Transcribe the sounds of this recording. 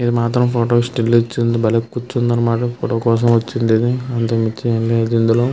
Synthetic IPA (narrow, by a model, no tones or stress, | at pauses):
id̪imaːt̪ɾɐmpoːʈoːsʈelːit͡ʃːind̪ibɐlɐkkːut͡ʃːund̪ɐnːɐmaːʈɐfʰoːʈoːkɔːs̬ɐmʋɐt͡ʃːind̪id̪iɐnt̪ɐmit͡ʃːielːeɐd̪ind̪uloː